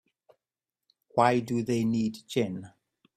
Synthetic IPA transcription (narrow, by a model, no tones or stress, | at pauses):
wajduðejniːdd͡ʒɪn